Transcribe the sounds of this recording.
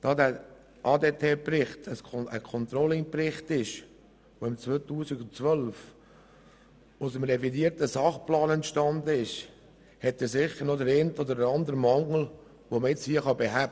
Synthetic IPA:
d̥ɑːd̪æ | ʔɑːd̪eːtʰeːpɾɪχt̪ʰəsəkʰɔnt̪ɾɔlɪŋprɪχtɪʃ | ʋoɪmt͡sʋoːt̪uːsɪɡʊnt͡sʋœlf | ʊsəmɾɛfidiəɾtəsɑχplɑːnɛnt̪ʃtɑnd̪əɪʃ | hɛt̪ːɛsɪχəɾnod̪əɾentod̪əɾəɾɑnd̪əɾmɑŋl̩ | ʋoməɪt͡shiəχɑbeɦæb

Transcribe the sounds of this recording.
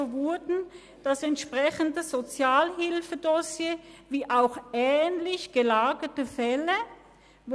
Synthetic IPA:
vʊɐdn̩ | d̥asɛntʃpʁɛçən̩dəz̥ot͡sjaːlɦɪlfədɔsjeːviːʔaʊxɛːnlɪçɡ̥əlaːɡətəfɛlə

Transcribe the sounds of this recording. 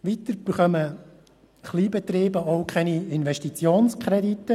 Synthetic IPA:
ʋit̪əɾb̥əχœmə | χliːbɛt̪ɾiːbəɔʊkʰɛniɪnʋɛʃtit͡sjoːnskʰɾɛdit̪ːə

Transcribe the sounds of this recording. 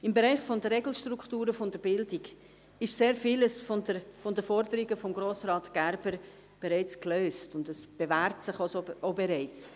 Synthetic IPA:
ɪmbɛɾɛɪχfɔndəɾɛɡl̩ʃtrukχtuːɾəfɔndəɾbɪldiɡ | ɪʃseːɾfiːləsfondəfɔndəfɔɾdəɾiɡəfɔmɡɾoːsrɑːtɡ̥æɾb̥əɾ | b̥ɛɾɛɪt͡skløːstʊndəsb̥evæːɾtsɪχosoobɛɾɛɪt͡s

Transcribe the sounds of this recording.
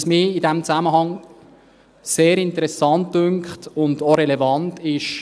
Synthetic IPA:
smiːidɛmt͡sæməɦɑŋ | seːɾɪntəɾɛsɑnt̚dʏŋkχtʊndoɾɛlɛvɑntɪʃ

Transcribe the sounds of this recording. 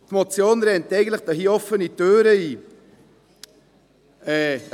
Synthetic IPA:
tmot͡sjoːnɾɛntɛɪɡn̩tləχd̥ɑɦiːɔfənitøːɾəiː | ɛː

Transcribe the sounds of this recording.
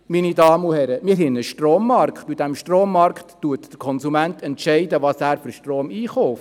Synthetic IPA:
minidɑːmuhɛɾəmiːɾɦɪnəʃtroːmːɑrkχtidɛmʃtroːmːɑɾkχttuətd̥əɾkʰɔnsumænt̪ʰɛntʃɛɪdəʋɑsæːɾfyɾʃtroːmiːχɔːf

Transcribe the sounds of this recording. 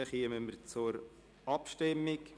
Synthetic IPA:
əχiəməməɾt͡sʊɾ | ɑpʃtɪmːɪk

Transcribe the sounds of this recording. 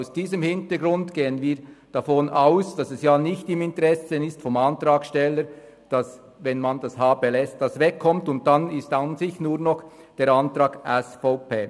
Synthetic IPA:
aʊsd̥iːzəmhɪntəɡɾʊndɡ̥eːənviːɐd̥afonʔaʊsd̥ɑsɛsjaːnɪçtɪmɪntəɾɛsəɪstfɔmɑntɾaːkʃtɛlːəɾd̥ɑs | vɛnmandashaːbelɛst̚d̥ɑsvɛkʰːɔmtʊnt̚d̥anɪstanzɪçnuːɐnɔχ | d̥eːɾantɾaːɡ̥ʔɛsfɔʊpeː

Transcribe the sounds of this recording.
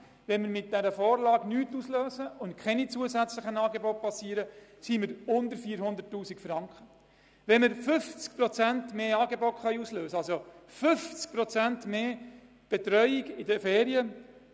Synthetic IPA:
ʋɛnməɾmɪt̚d̥æɾəfoːɾlɑːɡnyːtusløːzəʊntkʰχɛnit͡suəzæt͡sləχənɑːɡeboːt̚pɑsiːəɾəsiməɾʊndəɾfiːɾɦʊnd̪əɾtːuːsikfɾɑŋkχə | ʋɛnməɾfʏft͡skpɾot͡sæntmeːɑːɡebotχœʏuːsløːsəɑlsofɵft͡sk̚pɾot͡sæntmeː | b̥ɛtɾœʏiɡɪdəfeːɾiə

